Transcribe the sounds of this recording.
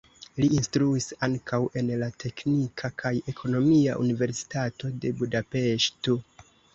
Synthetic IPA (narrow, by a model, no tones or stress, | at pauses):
liːnstɾuisaŋkʰawe̞nlatʰe̞knikʰakʰaje̞kʰo̞no̞mia̰ʔṵnive̞ɾsi̥tato̞de̞budape̞ʃto